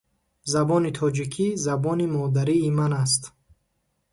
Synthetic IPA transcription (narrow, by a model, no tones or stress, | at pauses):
zabɔnit̪ʰɔd͡ʒikʰizabɔnimɔd̪aɾiːmanas̬t̪